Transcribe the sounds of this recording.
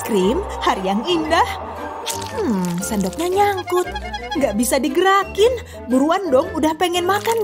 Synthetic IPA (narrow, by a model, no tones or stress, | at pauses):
kɾim | haɾijaŋindah | m̩sandɔk̚ɲaɲaŋkʊt̪̚ŋɡaʔbisadiɡəɾakɪn | buɾuandɔŋudahpɛŋɛnmakan